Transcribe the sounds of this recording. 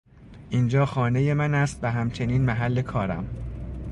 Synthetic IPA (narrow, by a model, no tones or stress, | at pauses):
ʔiːnd͡ʒɒːxɒːne̞je̞mænæst̪væɦæmt͡ʃʰe̞niːnmæɦælːe̞kʰɒːɾæ̰m